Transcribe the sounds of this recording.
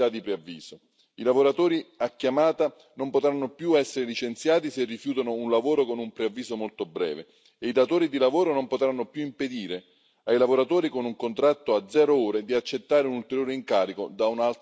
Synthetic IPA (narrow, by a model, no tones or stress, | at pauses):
ad̪ipɾeavːiːz̥o | ilavoɾat̪oːɾiakːjamaːt̪a | nompot̪ɾanːopjuɛsːeɾelit͡ʃent̪sjaːt̪iserːifjuːt̪anounlavoːɾokonumpɾeavːiːsomolt̪obɾɛ̰ːve | eid̪at̪oːɾid̪ilavoːɾonompot̪ɾanːopjuimped̪iːɾe | ajlavoɾat̪oːɾikonuŋkont̪ɾat̪ːoad̪zɛːɾooːɾed̪iat͡ʃːet̪ːaːɾeunult̪eɾjoːɾeiŋkaːɾikod̪aunalt̪